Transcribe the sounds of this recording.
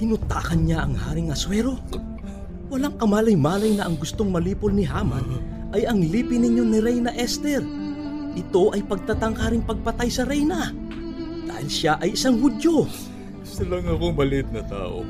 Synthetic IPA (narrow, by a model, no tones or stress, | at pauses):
kɪnʊt̪aːkɐnɲaʔɐŋha̰ːɾɪŋɐswɛɾo̞ | wɐlaŋkɐmaːlɐjmaːlɐjnɐʔɐŋɡʊst̪o̞ŋmɐliːpolnɪɦaːmɐn | ʔɐjɐŋliːpɪnɪɲjo̞nɪɾɛjnɐʔɛst̪ɛɾ | ʔɪt̪o̞ʔɐjpɐɡ̚t̪ɐt̪ɐŋkaːɾɪŋpɐɡ̚pɐt̪ajsɐɾɛjnɐ | d̪a̰ːhɪlʃaʔɐjɪsaŋhʊd̪jo̞ | sɪlɐŋɐkobɐlɪt̪̚nɐt̪a̰ːʔo̰